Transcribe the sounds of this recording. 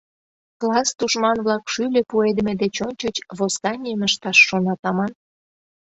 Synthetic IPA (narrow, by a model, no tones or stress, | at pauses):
klɑsd̪uʃmɑnβlɑkʃylʲĕpued̪əmĕd̪et͡ɕonʲt͡ɕət͡ɕβosk̪ɑnʲiəməʃt̪ɑʃːonɑt̪ɑmɑn